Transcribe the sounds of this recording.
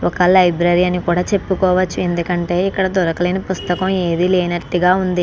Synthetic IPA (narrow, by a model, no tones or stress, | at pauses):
ɔkɐlɐjbɾɐɾiɐnikuːɽaːt͡ʃe̞pːukɔːʋɐt͡ʃːue̞nd̪ukɐɳʈe̞ːikːɐɽɐd̪ɔɾɐkɐleːnɐpust̪ɐkɐme̞ːd̪ileːnɐʈːuɡaːund̪i